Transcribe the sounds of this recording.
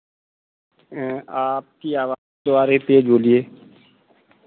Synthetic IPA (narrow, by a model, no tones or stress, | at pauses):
aːp̚kiaːʋaː | d̪oaːɾet̪eːd͡ʒoːlieː